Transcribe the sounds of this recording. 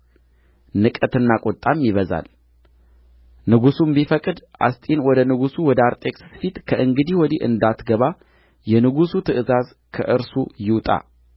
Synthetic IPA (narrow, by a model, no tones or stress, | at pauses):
nɨkʼət̪ɨnːakʼɔt̪ʼːamːiβəza̰l | nɨɡusumbifəkʼɨd̪ʔa̰st̪ʼinwɔd̪ənɨɡusuwɔd̪əaɾt̪ʼe̞kʼsfit̪kʰəʔɨŋɡɨd̪iwɔd̪iʔɨ̰nd̪at̪ɡəβa | jɛnɨɡusut̪ʰɨʔɨzaz | kʰəʔɨɾsujɪwt̪ʼa̰